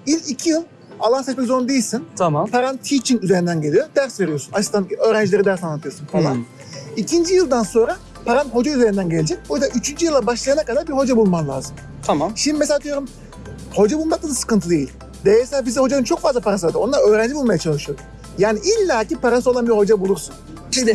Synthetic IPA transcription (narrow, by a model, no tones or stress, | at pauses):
ilʲicʰijɯlˠ | alˠansespekzo̞nud̪ejilʲsint̪ʰamapʰaɾant̪ʰit͡ʃʰinyze̞ɾind̪ænɟe̞lʲijo̞d̪̥æɾsve̞ɾijo̞sunaʃst̪anø̞ːɾænd͡ʒilʲeɾid̪æɾsanlːˠat̪ʰɯjosunfalˠan | icʰind͡ʒijɯlˠd̪anso̞nɾa | pʰaɾanɦo̞d͡ʒayze̞ɾind̪ænɟelʲd͡ʒɛc̚buɾd̪aʔyt͡ʃʰynd͡ʒijɯlˠːabaʃlˠajanakad̪aɾbiɾho̞d͡ʒabulˠmanlʲˠa̰ːzɯmʰamamʃimd̪imes̬ead̪yjo̞ɾum | ho̞d͡ʒabulˠmak̚k̪ɯnɯsɯ̥kɯnt̪ʰɯd̪e̞jilʲ | d̪eeselabiziho̞d͡ʒanɯnt͡ʃʰo̞kfazlˠapʰaɾasɯad̪ɯonaɾøːɾænd͡ʒibulˠmajat͡ʃʰalˠɯʃɯjoɾ | jaːniʔilʲːaːcipaɾasɯo̞lˠanbiɾho̞d͡ʒabulˠuɾsun | ʃid̪ɛ